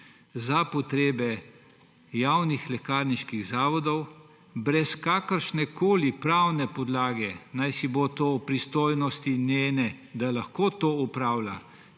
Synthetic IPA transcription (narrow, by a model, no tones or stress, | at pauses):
zapɔt̪ɾeːbɛ | jawnixlɛkaːɾniʃkiɣzaːʋɔd̪ɔw | bɾɛskaːkəɾʃnɛkoːlipɾawnɛpɔd̪laːɡɛnajsibot̪oupɾist̪oːjnɔst̪ineːnɛd̪alaxkoːt̪oːupɾaːwla